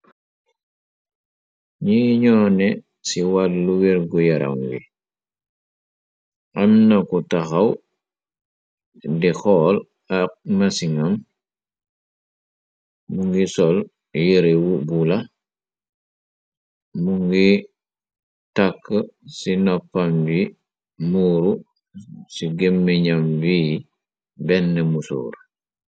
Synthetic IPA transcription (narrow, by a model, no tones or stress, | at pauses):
ɲiɲɔnɛ | siwalluwiɾɡujaɾa̰wŋɡḭ | ʔamnakutaxaw | dixɔːl | ak̚masiŋam | muŋɡisɔl | jiɾewubula | muŋɡi | takːsinɔpːambi | muːɾu | siɡemːɛɲamvi | bɛnːɛmusṵːɾ